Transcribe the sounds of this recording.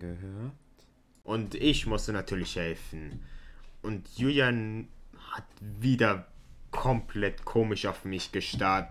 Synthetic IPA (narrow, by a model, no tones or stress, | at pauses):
ɡəhøːɐt | ʔʊntɪçmʊstənatʰyːɐlɪçhɛlfn̩ | ʔʊntjujanhatviːdɐkʰɔmplɛtkʰoːmɪʃaʊfmɪçɡ̥əʃtaɐtə